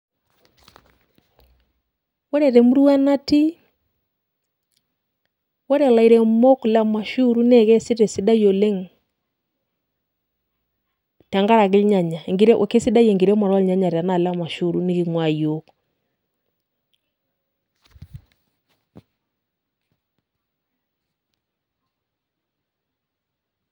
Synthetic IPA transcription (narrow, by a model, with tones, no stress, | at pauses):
wɔ˦ɾɛ˨ɾɛ˨mu˦ɾu˦a˦na˦ti˦ | wɔ˦ɾɛ˨la˨i˨ɾɛ˨mɔ˦kla˦ma˨ʃu˦ɾu˦nɛ˦˨ɣɛ˦si˦ɾɛ˨si˦da˦jo˨le˦ŋ | ta˨ŋɡa˦ɾa˨ɣɪ˦lɲa˨ɲa˨ŋɡi˨ɾɛ˦ʔo̰˨ke˦si˦da˦jɛ˨ŋɡi˨ɾɛ˦mɔ˨ɾlɲa˦ɲa˨ɾa˨na˨la˦ma˨ʃu˦ɾu˦ni˦ɣi˨ŋwa˨jo˦k